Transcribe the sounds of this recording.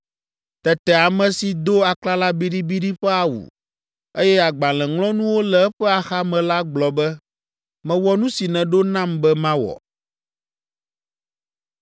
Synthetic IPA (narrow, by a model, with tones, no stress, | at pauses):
t̪ɛ˨t̪ɛ˨a˨mɛ̃˨si˨d̪o˦a˨kla˦la˦bi˦ɖi˦bi˦ɖi˦ɸɛ˦a˨wṵ˨ | e˦jɛ˦a˨ɡ͡ba˨lɛ̃˨ŋlɔ̃˦nũ˦wo˦lɛ˨ɛ˦ɸɛ˦a˨xa˦mɛ̃˨la˦ɡ͡blɔ˨bɛ˦ | mɛ̃˨wɔ˦nũ˦si˨nɛ̃˨ɖo˦nã˦˨mbɛ˦mã˦wɔ̰˨